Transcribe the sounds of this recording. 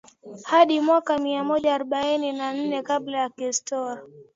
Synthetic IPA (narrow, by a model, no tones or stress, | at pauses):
haɗimwakamiamɔʄaːɾɔɓaininan̩nɛkaɓlajakistɔa